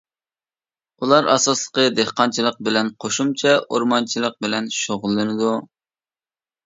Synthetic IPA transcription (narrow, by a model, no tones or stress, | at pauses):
ulˠɑɾɑ̰sɑslˠəqəd̪ehqɑnt͡ʃʰilˠəq̚bɪlɛnqʰoʃumt͡ʃʰɛʔoɾmɑnt͡ʃʰilˠəq̚bɪlɛnʃoʁʊlˠːɨnɨd̪u